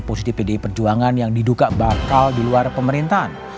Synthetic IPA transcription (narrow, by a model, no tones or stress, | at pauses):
posit̪ifpedepərd͡ʒuaŋanjaŋdiduɡaʔbakaldiluarpəməɾint̪aɦan